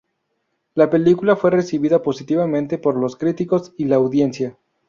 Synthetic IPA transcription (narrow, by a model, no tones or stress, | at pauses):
lape̞likulafwe̞re̞siβiðapo̞sit̪iβamẽ̞nt̪e̞po̞ɾlo̞skɾit̪iko̞silaːwðje̞nsja